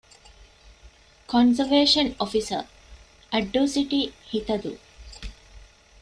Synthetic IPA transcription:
kɔnzəʋeːʃɐnofisə̰ | ʔæɖːoːsiʈihit̪ɐd̪ṵ

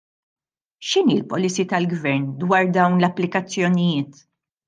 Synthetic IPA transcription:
ʃɪniːlpɔlɪsit̪ɐlɡvɛɾnd̪wɐːɾd̪ɐwnlɐpːlɪkɐt͡sːjɔnɪjɪːt̪

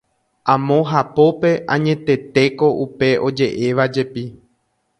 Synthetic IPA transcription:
ãmõ̞ɦapo̞pe̞ʔã̰ɲẽ̞t̪e̞t̪e̞ko̞ʔupe̞ʔo̞d͡ʒe̞ʔe̞ʋad͡ʒe̞pi

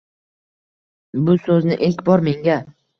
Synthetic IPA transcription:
bʊsɵznɪʔelkʲbɒɾme̞ŋɡʲa

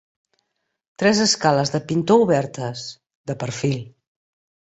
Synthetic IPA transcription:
t̪ɾɛzəskaləzðəpint̪ouβɛɾt̪əs | ðəpəɾfilˠ

